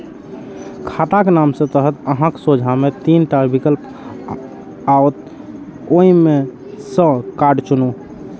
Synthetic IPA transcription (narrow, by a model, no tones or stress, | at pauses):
kʰat̪akenamsə̃t̪əɦət̪əɦãksod͡ʒʱamet̪inʈaɾbikəlp | aot̪̚ | oime | sə̃kaɖt͡ʃunu